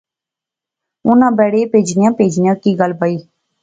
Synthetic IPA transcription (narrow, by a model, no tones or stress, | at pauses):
ʊnãːbɛːɽepeːd͡ʒnɪjãːpeːd͡ʒnɪjãːkiːɡəlbaːiː